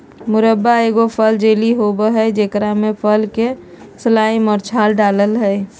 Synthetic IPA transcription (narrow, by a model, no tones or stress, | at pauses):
mʊɾəbːaeːɡopʰəld͡ʒeliɦobəɦɛd͡ʒeːkɾamẽpʰəlke | səlaːimɔɾt͡ʃʰaːlɖaːləlɦɛe